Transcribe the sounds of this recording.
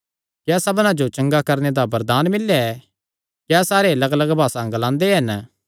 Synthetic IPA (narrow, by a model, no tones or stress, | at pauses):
kjaːsɐbnãd͡ʒot͡ʃɐ̃ŋɡakɐɾned̪abɐɾd̪aːnmɪlːɛɛ | kjaːsaːɾeɐləɡɐləɡbʱaːsãɡlãːnd̪eɦɐn